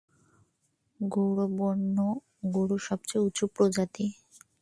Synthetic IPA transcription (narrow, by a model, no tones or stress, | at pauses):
ɡowɽobonːo | ɡoɽoʃɔb̚t͡ɕejut͡ɕʰupɾod͡ʑat̪i